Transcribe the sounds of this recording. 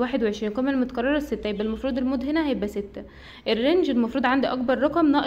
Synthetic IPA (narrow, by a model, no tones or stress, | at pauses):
waːħed̪weʕeʃɾiːnqæmælmot̪æ̥kɑɾˤːɑɾˤɑsːet̪ːæhjebʔælmɑfɾˤuːd̪ˤelmoːd̪henæhæjebʔæset̪ːæ | ʔerːend͡ʒelmɑfɾuːd̪ʕand̪iʔɑk̚bɑɾˤːɑqɑmnɑːʔ